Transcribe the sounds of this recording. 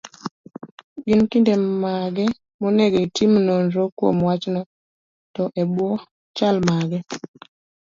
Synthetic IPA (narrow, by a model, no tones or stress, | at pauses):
ɡinkindemaɡɛ | monɛɡoitimnonɾokwo̰mwat͡ʃnɔ | tɔʔɛbwɔ | t͡ʃalmaɡɛ